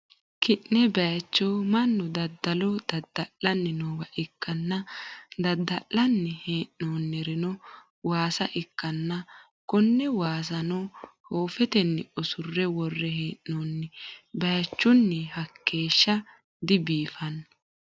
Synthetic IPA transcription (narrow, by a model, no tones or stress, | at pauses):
kɪʔnɛbɐjɐt͡ʃːoːmɐnːʊd̪ɐd̪ːɐlɔd̪̥ɐd̪ːɐlːɐnːɪnoːwɐʔɪkːɐnːɐd̪ɐd̪ːɐʔːɐnːɪheːʔnoːnːɛɾɪnɔ | waːsɐʔɪkːɐnːɐ | kɔnːɛwaːs̬ɐnɔhoːfɛt̪ɛnːɪʔɔsʊrːɛwɔrːɛɦeːʔːoːnːɛbɐjt͡ʃːʊnːɛhɐkːe̞ːʃːɐ | d̪ɪbiːfɐnːɐ